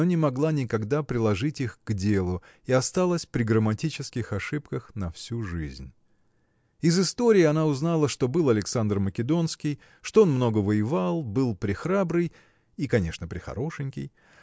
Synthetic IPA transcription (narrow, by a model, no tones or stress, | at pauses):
onʲɪmɐɡlˠanʲɪkɐɡd̪apɾʲɪlˠɐʐɨtʲixɡ̥dʲelˠʊ | ɪɐst̪alˠəsʲpɾʲɪɡɾəmɐtʲit͡ɕɪskʲɪxɐʂɨp̚kəxnɐfsʲuʐɨ̰zʲnʲ | ɪzɨst̪o̞ɾʲɪːɐnaʊznalˠəʂt̪o̞bɨlˠɐlʲɪksand̪rməkʲɪd̪o̞nskʲɪj | ʂt̪oo̞nmno̞ɡəvəjɪvalˠbɨlˠpɾʲɪxɾabɾɨj | ikɐnʲe̞ʂnəpɾʲɪxɐ̰ɾo̞ʂɨnʲkʲɪ̰j